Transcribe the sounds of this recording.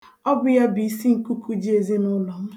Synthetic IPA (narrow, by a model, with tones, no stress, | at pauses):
ɔ˦bʊ˨ja˦bi˨i˨si˦ŋ̩˨ku˦ku˦d͡ʒi˦e˨ze˦nʊ˦lɔ˨m̩˦